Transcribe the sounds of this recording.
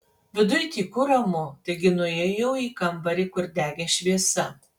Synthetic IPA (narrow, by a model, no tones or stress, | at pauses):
ʋʲɪd̪ʊjkʲiːkʊɾɐmʊt̪ɐɪɡʲɪnʊeːjɛʊiːkɐmbɐɾʲiːkʊɾʲd̪ʲæːɡʲɛʃʲʋʲiɛsɐ